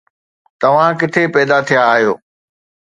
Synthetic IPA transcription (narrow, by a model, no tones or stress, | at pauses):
t̪ɐʋ̤ãkɪt̪ʰepɛːd̪at̪ʰijaːɦijoː